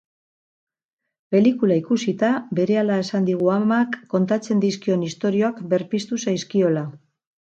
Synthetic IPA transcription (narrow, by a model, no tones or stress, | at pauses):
pe̞likulaikusit̪abe̞ɾe̞alae̞sand̪iɣ̞uamakːo̞nt̪at͡se̞nd̪iskio̞nist̪o̞ɾio̞akbe̞ɾpist̪usajskio̞la